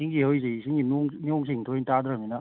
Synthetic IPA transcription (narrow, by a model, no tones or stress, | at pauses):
siŋɡihɯjs̬isiŋɡinuŋnioŋs̬iŋtʰojntad̪ɾaminɐ